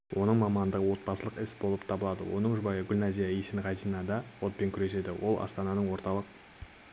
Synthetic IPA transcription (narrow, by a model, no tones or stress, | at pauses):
wʔo̞nəɴmɑmɑnd̪əʁəwo̞t̪̚bɑsəlˠəqɪsbo̞lˠəpt̪ʰɑbəlˠɑd̪ə̰wo̞̰nəɴʒʊbɑjəɡʲʏlʲnazijaiʃɪnʁɑd̪inɑd̪ɑwot̪̚pe̞ŋkʲʰʏɾe̞se̞d̪ɪwʔo̞lˠʔɑ̰st̪ɑnɑnəɴwo̞ɾt̪ɑlˠəq̚